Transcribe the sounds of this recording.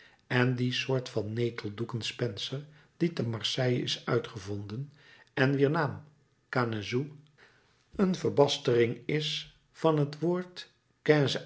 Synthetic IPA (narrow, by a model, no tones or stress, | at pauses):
ɛndisʊːɹtfɑnːejtʰəlˠdukənspɛnsəɹd̥itəmɑɹsɛjɪ̰sœɥtχəvɔndən | ɛnʋiːɹnaːm | kaːnəzu | ənvəɹbɑstərɪŋɪs | fɑnɦətʋoːɹt | kɛz